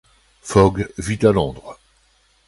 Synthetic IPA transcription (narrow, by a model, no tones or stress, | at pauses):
fɔɡvit̪alɔ̃d̪ʁ